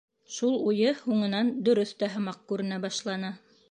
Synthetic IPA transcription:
ʃulˠujɤhuɴɤ̆nɑnd̪ɵ̆ɾɵθt̪æɦɤ̆mɑq̚kʉɾɘ̆næbɑʃlˠɑnɑ

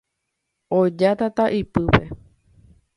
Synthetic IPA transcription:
od͡ʒat̪at̪aʔipɨpe̞

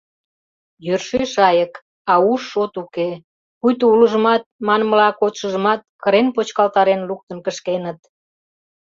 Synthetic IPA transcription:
jørʃeʃɑjək | ɑuʃːot̪uke | kujt̪ouləʒəmɑt̪̚mɑnməlɑkot̪ʃəʒəmɑt̪̚kəɾenpot͡ɕkɑlt̪ɑɾenluk̚t̪ənkəʃkenət̪

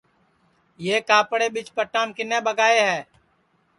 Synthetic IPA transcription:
jeːkaːpɽeːɓɪt͡ʃpəʈːãːmkɪnːeːbəɡaːeːɦɛː

